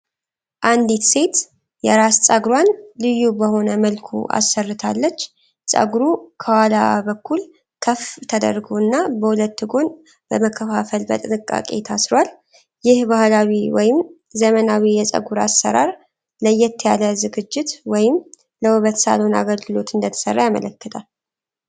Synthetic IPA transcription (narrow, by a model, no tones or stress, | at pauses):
ʔand̪it̪se̞t̪ | jɛɾast͡sʼaɡɾwanlɨjːubəho̞nəməlkʰṵʔa̰sːərːɨt̪ʰalːət͡ʃː | sʼə̰ɡɾukʰəwalabəkʰːul | kʰəft̪ʰəd̪ə̰ɾɡonːabəhulət̪ːɨɡo̞n | bəməkʰːəfafəlbə̰t̪ʼɨnɨkʼːa̰kʼḛt̪ʰasɾwal | jɪhbahlawiwɔjɪm | zəmənawijɛsʼə̰ɡuɾa̰sːə̰ɾaɾ | ləjɛt̪ʰːjaləzɨɡɨd͡ʒːɪt̪wɔjɪm | ləuβət̪sa̰lona̰ɡəlɡɨlo̞t̪ɨnd̪ət̪ʰə̥sərːajamə̰ləkːət̪ʰʼal